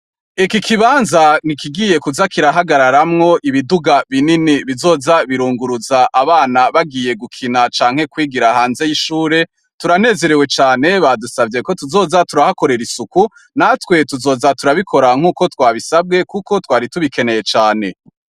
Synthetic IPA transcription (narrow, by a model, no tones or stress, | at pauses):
ikikʰiβaːnzan̥ikiɡije̞kuzakiɾaɦaɡaɾaɾamŋo̞ʔiβiduɡaβininiβizo̞ːzaβiɾuːŋɡuɾuzaʔaβaːnaβaɡije̞ɡukʰinat͡ʃaːŋ̥he̞kwiːɡiɾaɦaːnze̞jiʃuːɾe̞ | tuɾane̞ːze̞ɾe̞we̞t͡ʃaːne̞βadusavɟe̞ko̞tuzo̞ːzatuɾahako̞ɾe̞ɾisuku | natwe̞tuzo̞ːzatuɾaβikʰo̞ɾaŋ̥uːko̞twaːβisab̚ɡe̞kuko̞twaːɾituβike̞ne̞je̞t͡ʃaːne̞